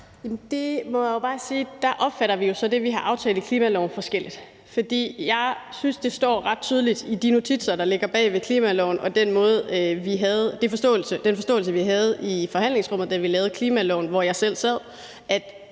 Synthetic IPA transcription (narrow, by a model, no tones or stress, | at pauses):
jæmnd̥e̝mɒjajo̝b̥ɑ̈ːsiːd̥ɑʔɒ̽b̥fæɾɐʋijo̝sɒ̽d̥e̝ʋiɦɑ̈ʔɑ̈ʊt͡sʰɛ̰ːl̩ˠikʰliːmælɒʊnfɒ̽sɡ̥el̰id̥ | fɒ̽d̥ḭːjɑ̈ɪsynsd̥e̝sd̥ɒ̰ːʁɑ̈d̥̚t͡sʰyːð̞ˠəlid̥id̥ino̝t͡sʰid̥sɐd̥ɑ̈le̝ɡ̥ɐb̥ɛ̰ːʋe̝kʰliːmælɒʊnʔɒ̽d̥enmɔ̽ːð̩ˠʋiɦæð̩ˠd̥e̝fɒ̽sd̥ɔ̰̽ːl̩səd̥enfɒ̽sd̥ɔ̰̽ːl̩səʋiɦæð̞ˠifɒ̽ɦæn̰le̝ŋsʁɔ̽m̰ð̞̩ˠd̥æʋilɛːʊð̞̩ˠkʰliːmælɒʊnʋɒjɑ̈ɪsel̰sɛð̞̰ˠ | ʔæd̥